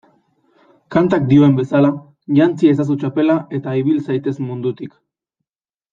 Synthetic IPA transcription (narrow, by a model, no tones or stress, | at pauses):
kant̪ak̚d̪io̞e̞mbe̞sala | ʝant͡sies̬as̬ut͡ʃape̞lae̞t̪aiβ̞ilsajt̪e̞zmund̪ut̪ik